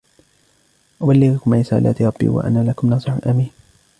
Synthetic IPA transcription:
ʔʊbalːɪɡʊkʊmʕɪsa̰ːla̰ːt̪ɾˤɑbːḭːwa̰ʔa̰naːlakʊmnɑːsˤɨħʊnʔamiːn

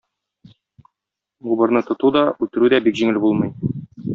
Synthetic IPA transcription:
ʁubɤ̆ɾnɤt̪ŏt̪ud̪ɒʉt̪ɘ̆ɾʉd̪æbikʑiŋɘlbulˠmɤ̆j

